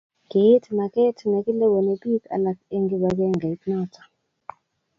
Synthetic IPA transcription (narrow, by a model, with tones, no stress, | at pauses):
ɡi˨˦tʰi˨na˨kɛ˦tʰi˨na˨ki˦lɛ˦wɛ˨nɛ˨ɓi˦ka̰˨la˨ke˦ŋɡi˦ɓa˨k̬ɛ˦ŋɡa˨i˦knɔ˦tʰḁ˨